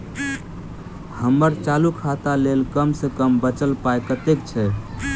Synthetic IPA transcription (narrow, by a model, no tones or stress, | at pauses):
həmːəɾt͡ʃalukʰat̪alelkəmsəkəmbət͡ʃəlpaekət̪ekt͡ʃʰɛ